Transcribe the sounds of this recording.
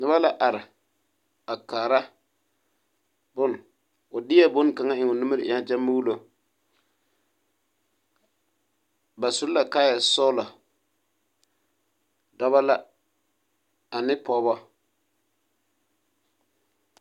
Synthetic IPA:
nʊ˦ba˦la˦ʔa˨ɾɪ˨ | a˨kaː˨ɾa˦ | bʊ˦n˨ | ʊ˨dɪ˦ɛ˦bʊ˦nka˨ŋa˦ɪ˨ŋɔ˨nu˦mi˦ɾɪ˨ʔɪ˨˦a˦d͡ʒɛ˦mː˦u˦lo˦ | ba˨sʊ˦lla˨kaː˦jɛ˨sɔ˦la˨ | dɔ˦ba˦la˦˨ | a˨nɪ˦pɔ˨˦bɔ˦

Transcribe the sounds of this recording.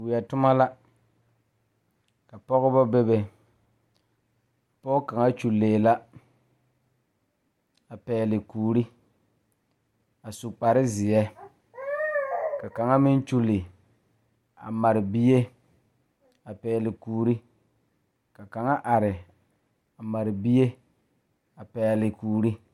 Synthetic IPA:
wɪ˨ɛ˨tʊ˦ma˦la˦ | ka˨pɔ˦ɣɪ˦bɔ˦be˦be˨ | pɔ˦ka˨ŋa˦t͡ʃu˨lːeː˨la˦ | a˨pɛː˨lɪ˨kuː˨ɾi˦ | a˨su˨k͡pa˨ɾɪ˦zɪ˨jɛ˦ | ka˨ka˨ŋa˦mɪ˦nt͡ʃu˦lɪ˨ | a̰˨ma˨ɾɪ˨bi˦je˦ | a˨pɛː˨lɪ˨kuː˨ɾi˦ | ka˨ka˨ŋa˦ʔa˨ɾɪ˨ | a˨ma˨ɾɪ˨bi˦je˦ | a˨pɛː˨lɪ˨kuː˨ɾi˦

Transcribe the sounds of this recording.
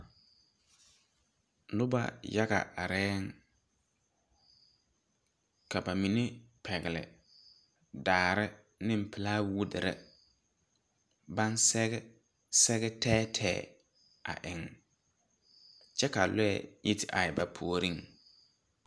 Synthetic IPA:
lʊ˦ba̰˦ja˦ɡa̰˨ʔa˨ɾɛː˦ŋ | ka˨ba˨mi˨ne˦pʰɛ˨ɣɪ˨lɪ̰˨ | daː˨ɾɪ˦ | nɪ̃˦m̩˨pɪ˨laː˦wu˦dɪ˨ɾɪ̰˦ | ba˦nsɛ˦ɣɛ˦ | sɛ˦ɣɛ˦tʰɛː˦tʰɛ̰ː˨˦˨ | a̰˨ʔɪ˨ŋ | t͡ʃɛ˦ka˨lʊ˦ɛ̰˦˨ji˦tɪ˨ʔa˨ɪ˨ba˨pʰu˨o˨ɾi˦ŋ

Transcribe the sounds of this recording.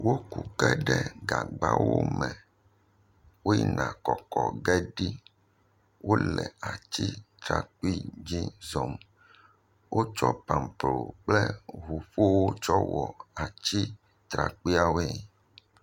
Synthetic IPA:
wo˦ku˨kɛ˦ɖɛ˦ɡa˨ɡ͡ba̰˦wo̰˦mɛ̃˨ | wo˦ḭ˦nã˨kɔ˨kɔ˨ɡɛ˦ɖi˦ | wo˦lɛ˨a˨t͡ɕi˦t̪ɾa˨k͡pi˦d͡ʑi˦zɔ˨m | wʔo˦t͡ʃɔ˦pa˨mpɾo˨k͡plɛ˦ɦu˨ɸo˦wo˦t͡ʃɔ˦wɔ˨a˨t͡ɕi˦ | t̪ɾa˨k͡pi˦a˨we˦˨

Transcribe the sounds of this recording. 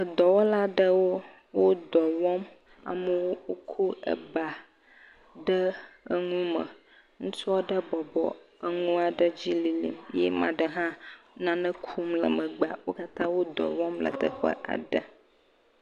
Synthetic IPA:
ə˨d̪ɔ˨wɔ˦la˦ɖə˦wo˦ | wo˦d̪ɔ˨wɔ˦m | a̰˨mə˦wo˦wo˦kʰu˦ə̰˨ba˨ | ɖə˦ə˦ŋũ˦mə̰̃˨ | ŋũ˦t͡ʃu˦ɔ˦ɖə˦bɔ˨bɔ̰˨ə˦ŋũ˦a˨ɖə˦d͡ʑi˦li˨lḭ˨mjɛ̰˦mã̰˨ɖə˨ɦã˦nã˨nə̃˦kʰu˦mlə̰˨mə̃˨ɡ͡ba˨wo˦ka˦t̪ã˦wo˦d̪ɔ̰˨wɔ̃˦mlə̰˨t̪ə̰˨ɸə̰˦ʔa̰˨ɖə̰˦

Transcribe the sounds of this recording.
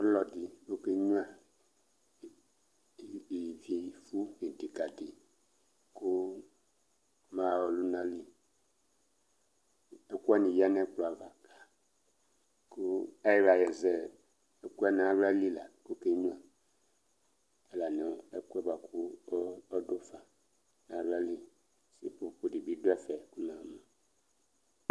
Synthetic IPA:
ɔ˦lɔ˨di˨ko˦ke˦ɲũ˦a˨ | i˨vi˨fu˦ji˨di˨ka˨di˨ | ku˦ | ma˦˨wɔ˨lu˦nã˦li˦ | e˦ku˦a˦nĩ˨ja˦nɛ˦k͡plɔ˨a˨va˨ka˨ | ku˦a˦jɛ˦ɾa˨jɛ˨zɛ˦ | e˦ku˦ɛ˦nã˨˦ɾi˦a˦li˦la˨ku˦ke˦ɲũ˦a˨ | ɛ˨la˨nɛ˨e˦ku˦ɛ˦ba˨kʰu˦ɔ˦do˦fa˨ | nã˨la˦li˦ | si˦pu˦˨pu˨di˨bi˦do˦ɛ˦fɛ˨ku˦nã˨ma˨

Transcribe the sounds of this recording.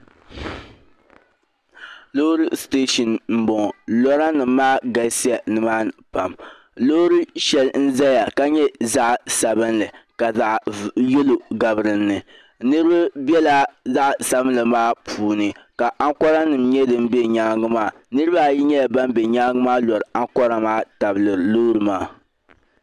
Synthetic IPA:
loː˦ɾɨ˦steː˦ʃɔ˨nm̩˨bɔ˨ŋ˨lɔ˦ɾa˦nɨ˨m̩ː˦aː˦ɡa˨lsi˦a˨nɨ˨maː˦pa˨m | lo˦ɾɨ˦ʃɛ˨ln̩˦za˦ja˨ka˦ɲɛ˦za˦ʔsa˨bɨ˦nlɨ˨ka˨za˦ʔje˦lo˨ɡa˨bɨ˨ɾɨ˨nːɨ˨ | nɨ˦ɾɨ˦ba˦bɛ˦la˦za˦ʔsa˨bɨ˦n˦lɨ˨maː˦pʰuː˨nɨ˨ | ka˨ʔa˦ŋkɔ˦ɾa˦nɨ˨mɲɛ˦dɨ˨m˦bɛ˦ɲa˦ŋɨ˦maː˦˨ | nɨ˦ɾɨ˦ba˦˨ji˦ɲɛ˦ja˨ba˦m˦bɛ˨ɲa˦ɡɨ˦maː˦lɔ˨ɾa˦ŋkɔ˦ɾa˦maː˦ta˨blɨ˨ɾloː˦ɾɨ˨maː˦

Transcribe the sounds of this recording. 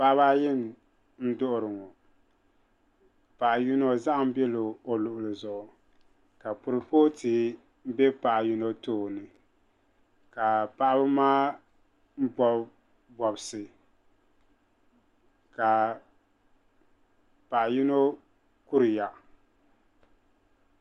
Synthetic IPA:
pa˦baː˦jɪ˦n˨ | n̩˦dʊ˦ʔʊ˨ɾɨ˨ŋɔ˨ | pa˨ʔju˦no˦za˦ʔm̩˦bɛ˦lo˨o˨lʊ˨ʔʊ˨lɨ˨zʊ˨ʔʊ˨ | ka˨pʊ˨ɾɨ˨po˦ti˨ | m̩˦bɛ˦pa˨ʔju˦no˦toː˦˨nɨ˨ | ka˨pa˨ʔa˦bɨ˦maː˦ | m̩˦bɔ˦ | bɔ˨bsɨ˨ | ka˨ | pa˨ʔji˦no˦ | ku˦ɾɨ˨ja˨

